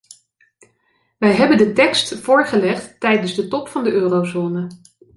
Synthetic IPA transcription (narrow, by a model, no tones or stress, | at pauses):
ʋɛjɦɛbəndətɛkstfʊːɹχəlɛχtːɛjdənzdətɔpfɑndəʔøːrozoːnə